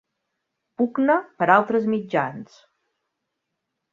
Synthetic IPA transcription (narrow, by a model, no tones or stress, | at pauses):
puɡnəpəɾalˠt̪ɾəzmid͡ʒa̰ns